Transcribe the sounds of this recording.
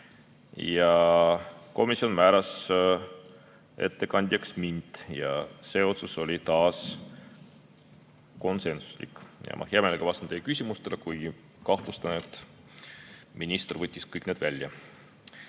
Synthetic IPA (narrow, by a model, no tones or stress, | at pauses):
jɑ | ko̞misio̞nmæːɾɑs | e̞̰t̪ːe̞kɑnʲd̪ʲjɑksmindt̪jɑ̰se̞o̞t̪suso̞lʲit̪ɑːs | ko̞nse̞nsu̥slḭkːˑjɑ̰mʔɑ̰heɑmeleɡ̥ɑɑst̪ɑnt̪ejːekysʲimust̪e̞lekuj | kɑht̪lust̪ɑnet̪ˑː | minist̪ervɤt̪ʲːiskɤjkne̞d̪vælʲjɑ